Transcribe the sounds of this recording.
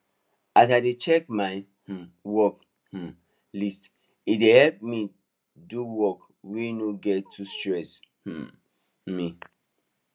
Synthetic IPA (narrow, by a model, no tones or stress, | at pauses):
asadet͡ʃɛk̚maɪ | h̩wɔk | h̩ | list | idehɛlp̚mi | duwɔk | winoɡɛtʰːustɹɛsh̩ | mi